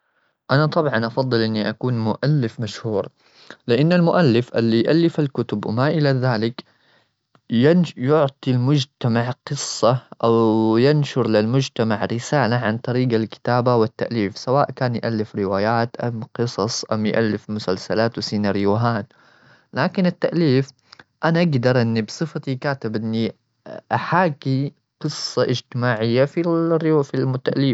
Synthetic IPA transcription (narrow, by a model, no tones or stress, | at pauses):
ʔanat̪ˤɑbʕɑnʔɑfɑðˤːɨlʔɪnːiʔakuːnmʊʔalːɪfmaʃhuːɾ | lɪʔanːalmʊʔalːɪfʔɪlːijʔalːɪfalkʊt̪ʊbwmaʔɪlaðaːlɪk | janjʊʕt̪ˤilmʊd͡ʒt̪amaʕqɨsˤːɑʔawjanʃʊɾlɪlmʊd͡ʒt̪amaʕɾɪsaːlaʕant̪ˤɑɾiːɡalkɪ̥t̪aːbawɪt̪ːaʔliːfsawaːʔkaːnjʔalːɪfɾɪwaːjaːt̪ʔamqɨsˤɑsˤʔamjʔalːɪfmʊsalsalaːt̪wɪsiːnaːɾjuɦaːn | laːkɪnɪt̪ːaʔliːf | ʔanaʔaɡd̪ɑɾˤʔɪnːibsˤɨfat̪ikaːt̪ɪbʔɪnːi | ʔaħaːki | qɨsˤːɑʔɪd͡ʒt̪ɪmaːʕɪjːafifilmʊt̪ːaʔliːf